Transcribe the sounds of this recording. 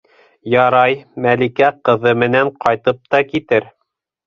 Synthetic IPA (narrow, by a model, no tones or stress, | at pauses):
jɑɾɑjmælikæqɤ̆ðɤmɘ̆næɴqɑjt̪ɤp̚t̪ɑkit̪ɘɾ